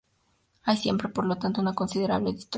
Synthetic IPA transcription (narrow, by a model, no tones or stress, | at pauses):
ajsje̞̰mpɾe̞po̞ɾlo̞t̪ant̪ounako̞nsiðe̞ɾa̰βleðist̪o